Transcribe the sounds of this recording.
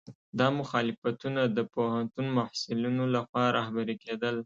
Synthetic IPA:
d̪ɑmʊxɑlɪfat̪unad̪əpohant̪unmahsɪlunolaxwɑɾʔɑhbaɾeked̪əl

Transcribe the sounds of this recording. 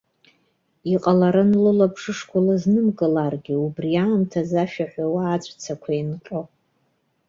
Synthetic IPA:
iqʼalaɾɨnlɨlapʰʂɨʂkʷʰʊlɨznɨmkʼɨlarɡʲɪubrijaːmtʰazaʃᶣaħᶣʷawaːt͡ɕʷʼt͡sʰakʷʰainqʼo

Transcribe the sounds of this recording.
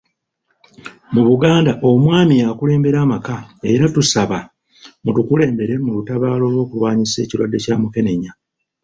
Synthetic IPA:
muβuɡaːndaʔo̞mwaːmijakule̞ːmbe̞ɾaːmakae̞ɾatusaβa | mutukule̞ːmbe̞ɾe̞mulutaβaːlo̞ːlwo̞ːkulwaːɲise̞̰ːciɾwadːe̞caːmuke̞ne̞ɲa

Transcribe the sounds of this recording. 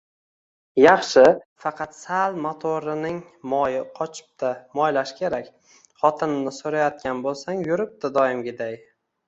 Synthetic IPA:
jɑχʃɪfɑqʰɑt̪salˠmot̪ʰoɾɪnɪŋmɒjɪqʰɒt͡ʃʰɪ̥p̚t̪ʰamɒjlaʃkʲʰe̞ɾakʲ | χɒt̪ʰɪnnɪsoɾajɒt̪̚kʲanbolˠsaŋjʊɾɪp̚t̪ɪd̪ɒjɪmɡʲɪd̪aj

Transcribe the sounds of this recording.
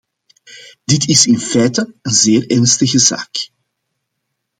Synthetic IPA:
d̥ɪtɪsɪnfɛjtəənzeːrɛrnstəɣəza̰ːk

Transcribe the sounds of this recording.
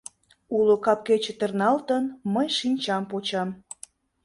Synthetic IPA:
ulokɑp̚ket͡ɕĕt̪ərnɑlt̪ənməjʃinʲt͡ɕɑmpot͡ɕɑm

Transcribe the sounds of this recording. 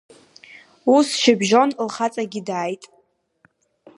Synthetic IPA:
usʃɪbʒo̞nlχat͡sʼaɡʲidaːjtʼ

